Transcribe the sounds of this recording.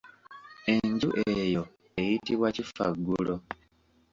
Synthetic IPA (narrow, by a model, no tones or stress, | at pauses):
e̞ɲɟuʔejo̞ | ejitiβwacifa̰ɡːulo̞